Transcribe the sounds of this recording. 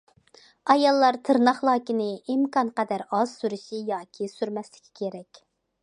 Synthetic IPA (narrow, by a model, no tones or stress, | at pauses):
ɑjɑlˠːɑɾt̪ʰɨɾnɑχlˠɑːkʲinɪimkɑnqɛd̪æɾɑz̥syɾyʃijɑːkʲʰisyɾmɛslɪ̥kʲʰːi̥kʲʰeɾɛkʲ